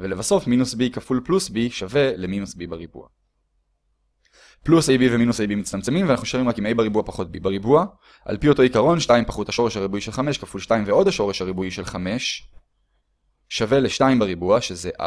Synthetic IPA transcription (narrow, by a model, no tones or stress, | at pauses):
velevaso̞fminusbikafulplusbiʃave̞leminusbibaʁibṵa̰ | plusejbiveminusejbimit͡st̪amt͡se̞mimveanaχxuʃoʁimʁakimejbaʁibuapaχo̞t̚bḭbaʁibua | ʔa̰lpio̞to̞ikaʁo̞nʃtaimpaχuthaʃo̞ʁeʃhaʁibuiʃe̞lχameʃkafulʃtaimveo̞dhaʃo̞ʁe̞ʃhaʁibuiʃe̞lχame̞ʃ | ave̞leʃtaimbaʁibuaʃe̞zeʔa̰